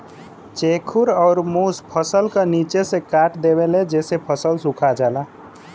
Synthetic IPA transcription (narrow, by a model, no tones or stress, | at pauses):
t͡ʃekʰuɾɔʊɾmuspʰəsəlkənit͡ʃesẽkaʈd̪ebeled͡ʒesepʰəsəlsukʰad͡ʒala